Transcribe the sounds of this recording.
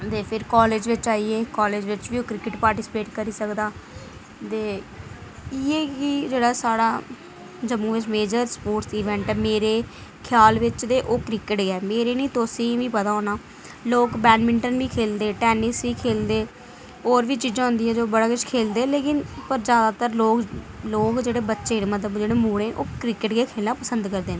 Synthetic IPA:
t̪eːpʰɪɾkɔːleːd͡ʒʋɪt͡ʃaːiːeːkɔːleːd͡ʒʋɪt͡ʃʋiːoːkɾɪkɪʈpaːɾʈiːsɪ̥peːʈkəɾiːsəkd̪aː | t̪eː | ɪeːkɪd͡ʒeːɽaːsaːɽaː | d͡ʒəmũːʋɪt͡ʃmeːd͡ʒəɾspoːʈsiːʋɛ̃ɳʈɛːmeːɾeː | kʰjaːlʋɪt͡ʃd̪eːʔoːkɾɪkəʈɡɛːmeːɾeːnĩːt̪osĩːʋĩːpət̪aːɦõːnaː | loːkbɛːnmɪɳʈənʋiːkʰeːld̪eːʈɛːnisʋiːkʰeːld̪eː | oːɾʋiːt͡ʃiːd͡ʒãːɦʊ̃nd̪iːɛ̃ːd͡ʒoːbəɽaːkʊt͡ʃkʰeːld̪eːleːkɪnpəɾzjaːd̪aːt̪əɾloːk | loːkd͡ʒeːɽeːbətːʃeːnemət̪ləbd͡ʒeːɽeːmuːɽẽːʔoːkɾɪkəʈɡeːkʰeːlnãːpəsənd̪kəɾd̪eːneː

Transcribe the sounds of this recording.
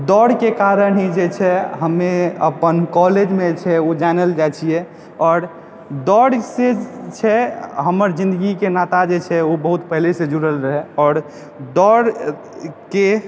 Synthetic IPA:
d̪ɔɽkekaɾənɦid͡ʒet͡ʃʰɛɦəmːeə̰pənkɔled͡ʒmet͡ʃʰɛod͡ʒanəld͡ʒat͡ʃʰiɛ | ɔːɾ | d̪ɔɽset͡ʃʰɛɦəməɾd͡ʒĩnd̪əɡikenat̪ad͡ʒet͡ʃʰɛobəɦut̪pəɦilesẽd͡ʒuɾəlɾəɦɛɔːɾ | d̪ɔɽ | ke

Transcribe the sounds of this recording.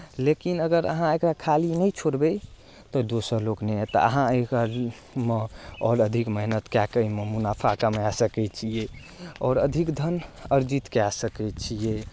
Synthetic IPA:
lekinəɡəɾə̰ɦãekɾakʰalinəjt͡ʃʰoɾbɛ | t̪ɔd̪osəɾloknɛt̪ɔ̰ə̰ɦãeka | mə̃ɔːɾəd̪ʱikməɦnət̪kakəiməmunapʰakamasəkɛt͡ʃʰije | ɔːɾəd̪ʱikd̪ʱənəɾd͡ʒit̪keasəkɛt͡ʃʰie

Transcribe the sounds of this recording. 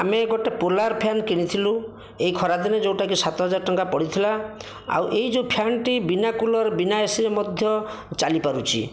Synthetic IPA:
ameɡɔʈepolaɾpʰjankiɽ̃it̪ʰilu | eɦikʰɔɾad̪ined͡ʒewʈakisat̪ɔɦɔd͡ʒaɾɔʈɔŋkapɔɽit̪ʰila | a̰wʔeɦid͡ʒeupʰjanʈibinakulɔɾbinaesiɾemɔd̪ʱjɔ | t͡ʃalipaɾut͡ʃʰḭ

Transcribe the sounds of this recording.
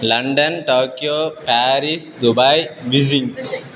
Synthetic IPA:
lɐ̃ɳɖɐnʈoːkjoːpæːɾisd̪ubajʋizĩŋ

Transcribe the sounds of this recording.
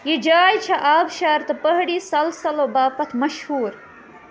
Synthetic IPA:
jid͡ʒaːjt͡ʃʰɐʔaːbʃaːɾt̪ɨpɐɦɽiːsɐlsɐlobaːpɐt̪ʰmɐʃhuːɾ

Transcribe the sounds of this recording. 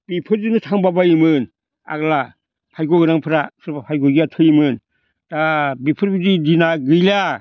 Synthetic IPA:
b̥ipʰɯɾd͡ʒinɯtʰaŋbabajimɯn | a̰ɡla | pʰajɡɔɡɯɾaŋpʰɯɾasɯɾbapʰajɡɔɡiatʰɯjimɯn | tabipʰɯɾbididinaɡɯjla

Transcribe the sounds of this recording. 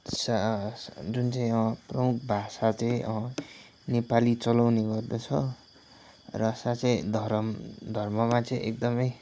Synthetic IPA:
sa | d͡zunt͡saĩʌprʌmukʰbʱasat͡sʌĩʔʌ | nepalit͡sʌlawneɡʌrd̪ʌt͡sʰʌ | rʌsat͡sʌĩd̪ʱʌɾmd̪ʱʌrmʌmat͡sʌĩʔek̚d̪ʌmʌj

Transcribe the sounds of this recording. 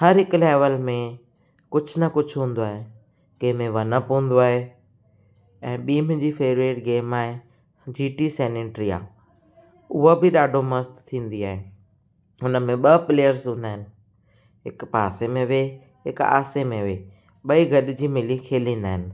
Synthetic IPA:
hɐɾɦɪkleːʋəlmẽ | kʊd͡ʑʱʊ̆nɐkʊd͡ʑʱʊɦũːnd̪oaːɦe | kẽːmẽʋɐnəpũːn̆d̪oaːɦe | ɛ̃ːɓiːmɪ̃d͡ʑiːfeːɾeːʈɡeːmaːɦe | d͡ʑiːʈiseːneːʈɾia̰ː | ʊɦobɪɗaːɖʱomɐst̪t̪ʰːĩːn̆d̪iaːɦe | ʊnəmẽɓɐpleːjəɾzɦũːn̆d̪aːɦɪnɪ̆ | ɦɪkpaːsemẽʋe | ɦɪka̰ːsemẽʋe | ɓɐiɡʱɐɗɪd͡ʑiːmɪlikʰeːlĩːn̆d̪aːɦɪnɪ̆

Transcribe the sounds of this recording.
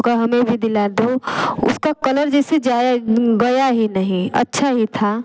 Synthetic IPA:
kaɦɐmẽbʱid̪ɪlad̪oʊ̰skakɐləɾd͡ʒɛːsed͡ʒaːjɡɐjaɦinəɦĩɐ̰tːʃʰaɦit̪ʰa

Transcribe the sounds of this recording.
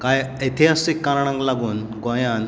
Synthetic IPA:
kajət̪ʰiɦasikːaɾɳ̃ãŋklaɡuːn | kɔ̃jãn

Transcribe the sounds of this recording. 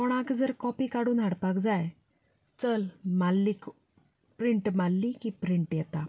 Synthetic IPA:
kɔɳ̃akd͡zəɾkɔpiːkaɽuːnɦaɽpakd͡zaj | t͡səlmalːik | pɾiɳʈmalːikipɾiɳʈjɛt̪a

